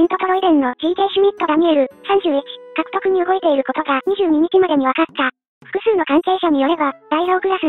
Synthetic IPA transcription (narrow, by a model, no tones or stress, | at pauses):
ĩnt̪o̞t̪o̞ɾo̞id̪ẽ̞nːo̞d͡ʑiːt̪e̞ːɕɨmʲit̪ːo̞d̪amʲie̞ɾɯ̟sãɲd͡ʑɨːit͡ɕi̥kakɯ̥t̪o̞kɯ̟ɲ̟ioɡo̞it̪e̞iɾɯ̟ko̞t̪o̞ɡaɲ̟iʑɨːɲ̟iɲ̟it͡ɕimad̪e̞ɲ̟iβ̞akat̪ːa | ɸɯ̟̥kɯ̟sɨːno̞kãŋke̞ːɕaɲ̟ijo̞ɾe̞bad̪aiɾo̞ːkɯ̟ɾasɨ